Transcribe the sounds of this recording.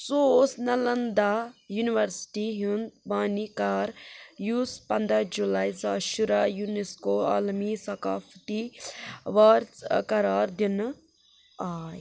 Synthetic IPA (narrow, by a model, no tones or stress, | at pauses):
sosnɐlɐnd̪ajuniʋɐɾsʈiɦund̪̚baːnikaːɾjuːspɐnd̪ɾad͡ʒulaːjzaːʃuɾajuneskoːaːlmisɐkaːft̪i | ʋaɾkɐɾaːɾd̪in | aːj